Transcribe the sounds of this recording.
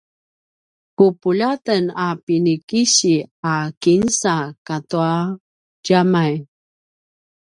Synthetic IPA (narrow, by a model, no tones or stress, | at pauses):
kupuʎatənapinikiɕiakinsakatua | ɟamaj